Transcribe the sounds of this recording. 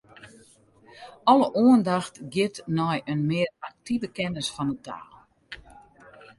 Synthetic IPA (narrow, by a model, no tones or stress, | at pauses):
ɔlˠəʔoəndaxtɡjɪtnɔjənmɪərak̚tivəkɛnəsfɔnutʰa̰ːlˠ